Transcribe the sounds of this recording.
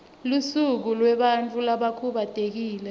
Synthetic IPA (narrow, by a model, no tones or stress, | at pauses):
lusuk̬ulwɛɓant͡fʼulaɓakʰuɓad̥ʱek̬iːlɛ